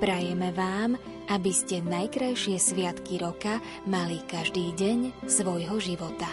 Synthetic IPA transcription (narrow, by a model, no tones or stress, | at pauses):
pɾajɛmɛʋaːm | ʔabiscɛnajkɾajʃɪɛsʋɪat̪kiɾɔka | malikaʒd̪iːɟɛɲsʋɔjɦɔʒiʋɔt̪a